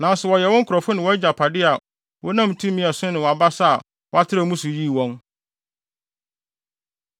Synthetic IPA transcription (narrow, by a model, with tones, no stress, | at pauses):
nã˨n˦sɛ˨wɔ˨jɛ˨wɔ̃˦ŋ̩˦kʰʊ˨ɾɔ˨fʊ˦nɪ̃˨wɔ˦d͡ʑa˨pʰa˨dɪ˦a˨ | wɔ˦nã˦˨m˨tʰũ˦mĩ˦˨ɛ˨sʊ̃˦nɪ̃˨wɔ˨a˨ba˦sa˦a˨ | wɔ˦a˦tʰɪ˦ɾa˦˨˦mũ˦sʊ˨ji˦˨wɔ̃˦n